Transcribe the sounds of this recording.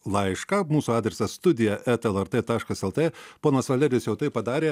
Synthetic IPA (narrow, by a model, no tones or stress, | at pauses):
lˠɐɪʃkɐmuːsuɑːd̪ʲɾʲɛsɐsst̪ʊd̪ʲɪjɛʔɛt̪ɛlˠɛɾt̪et̪ɑːʃkɐsɛlˠt̪eːpoːnɐsʋɐlʲɛɾʲɪsjɛʊt̪ɐɪppɐd̪ɑːɾʲeː